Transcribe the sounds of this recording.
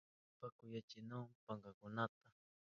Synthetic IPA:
pakʊjat͡ʃɪnʊŋpaŋɢakʊnat̪a

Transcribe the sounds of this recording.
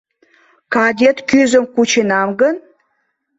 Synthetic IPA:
kɑd̪ʲet̪kyzə̆mkut͡ɕenɑmɡən

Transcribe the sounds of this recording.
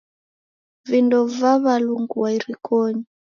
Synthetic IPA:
vindɔvaβaluŋɡuwaiɾikʰɔɲi

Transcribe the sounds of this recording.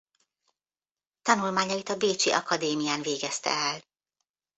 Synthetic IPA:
t̪ɒnulmaːɲɒit̪ɒbeːt͡ʃiʔɒ̰kɒd̪eːmijaːnveːɡɛst̪ɛ̰ɛl

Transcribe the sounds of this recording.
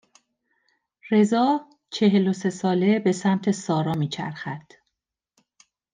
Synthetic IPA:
re̞zɒː | t͡ʃʰe̞ɦe̞lose̞sɒːle̞be̞sæmt̪ʰe̞sɒːɾɒːmiːt͡ʃʰæ̰ɾxæd̪̥

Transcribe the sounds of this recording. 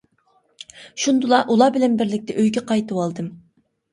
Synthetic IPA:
ʃund̪ulˠɑʔulˠɑːbɪlɛnbɪɾlɪk̚ʲt̪ʰɛʔøjɡʲɛqɑjt̪ɨwɑlˠd̪ɨm

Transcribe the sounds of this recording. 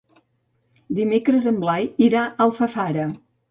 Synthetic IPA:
d̪imekɾəzəmblajiɾaʔəlˠfəfaɾə

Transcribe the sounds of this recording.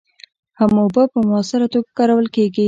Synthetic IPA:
hamobapəmʊasɪɾat̪oɡakɑɾawəlkeɡi

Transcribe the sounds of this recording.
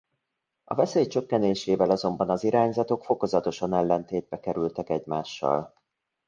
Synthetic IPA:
ɒ̰vɛseːjt͡ʃø̞kːɛneːʃeːvɛlɒzo̞mbɒnɒziɾaːɲzɒt̪o̞kfo̞ko̞zɒt̪o̞ʃɒnɛlːɛnt̪eːd̪̚bɛkɛɾylt̪ɛkɛɟmaːʃːɒ̰l

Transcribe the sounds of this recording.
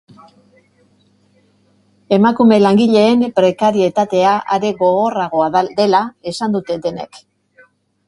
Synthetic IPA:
e̞makume̞laŋɡiʎe̞ːmpɾe̞kaɾie̞t̪at̪e̞aʔaɾe̞ɣo̞ɣo̞raɣ̞o̞aðd̪e̞lae̞sand̪ut̪e̞d̪e̞ne̞̰k

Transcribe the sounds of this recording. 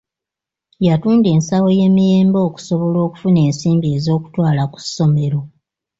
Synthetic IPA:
jatuːnde̞ːnsawo̞je̞ːmije̞ːmbo̞ːku̥so̞βo̞lo̞ːku̥fune̞ːnsiːmbiezo̞ːku̥twaːlaku̥sːo̞me̞ɾo̞

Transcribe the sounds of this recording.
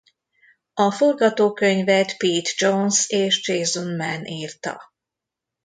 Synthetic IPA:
ɒfo̞rɡɒt̪oːkø̞ɲvɛt̪piːt̪d͡ʒonseːʃd͡ʒeːzunmɛnʔiːrt̪ɒ̰

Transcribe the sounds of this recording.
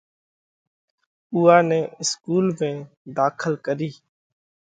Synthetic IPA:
ʊːãːnɛ̃ːɪskuːlmẽː | d̪aːkʰəlkəɾiː

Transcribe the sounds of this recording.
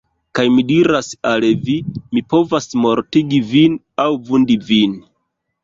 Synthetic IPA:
kajmidiɾasalvimipo̞vasmo̞ɾtiɡivin | awvundivin

